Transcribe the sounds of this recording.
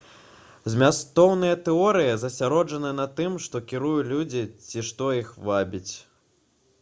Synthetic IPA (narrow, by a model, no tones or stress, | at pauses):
zʲmʲast̪ɔwnɨjɐt̪ɛɔɾɨjɐzɐsʲaɾɔd͡ʐɐnɨnɐt̪ɨmʂt̪ɔkʲiɾujulʲud͡zʲit͡sʲiʂt̪ɔixvabʲit͡sʲ